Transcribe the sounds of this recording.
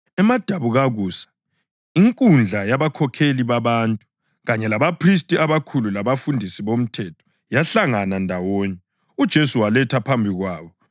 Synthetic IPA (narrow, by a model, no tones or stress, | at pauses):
ɛmad̥ʱaβuɣaɣuːsḁ | iŋkʼund͡ɮʱajaβakʰɔkʰeliβaβaːntʼu | ɣaɲɛlaβapʰris̬tʼiaβakʰululaβafundʱisiβom̩tʰɛtʰɔ̥ | jaɬaŋanandʱawɔːɲɛ | ud̥ʒ̥ʱesuwalɛtʰapʰambʱiɣwaːβɔ